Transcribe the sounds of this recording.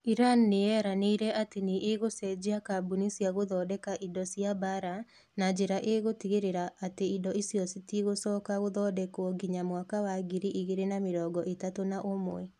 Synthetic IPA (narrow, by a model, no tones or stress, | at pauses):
iɾanːeɛɾaneiɾɛateneʔeɣosɛd͡ʒiakabunisiaɣoðɔːdɛkaʔidɔsjabaɾa | nad͡ʒeɾaʔeɣotiɣeɾeɾaʔːteidɔisijɔsitiɣosɔːkaɣoðɔːdɛkoɔɡiɲamwakawaɡiɾiʔiɣeɾenameɾɔːɡɔʔetatonaʔomw̰ɛ